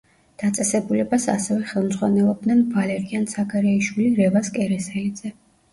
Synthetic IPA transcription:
d̪̥at̪sʼɛsɛbulɛbasa̰sɛvɛχɛlˠmd̪zʁwanɛlˠɔb̚d̪nɛnvalɛɾiansaɡaɾɛiʃwiliɾɛvaskʼɛɾɛsɛid̪z̥ɛ

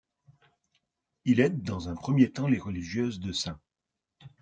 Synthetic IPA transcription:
ilɛd̪ːɑ̃zɛ̃pχəmjet̪ɑ̃leʁəliʒjøzd̪əsɛ̃

